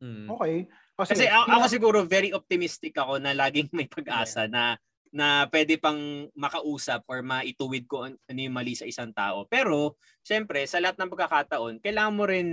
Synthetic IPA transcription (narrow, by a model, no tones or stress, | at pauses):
oːkɛj | okɐsɛɐʔɐkos̬ɪɡuːɾo̞vɛɾiʔop̚t̪ɪmist̪ɪkʔɐko̞nɐlaːɡɪŋmɐjpɐɡ̚ʔaːsɐnɐ | nɐpwɛːd̪ɛpɐŋmɐkɐʔuːsɐp̚ʔoɹmɐʔɪt̪uːwɪd̪̚koʔɐnɪmaːlisɐʔɪsaŋt̪a̰ːʔo̞pɛːɾo̞ | ʃɛmpɾɛsɐlɐhat̪̚nɐŋpɐɡ̚kːɐkaːt̪ɐʔo̞nkɐjlaːŋɐnmoɾɪn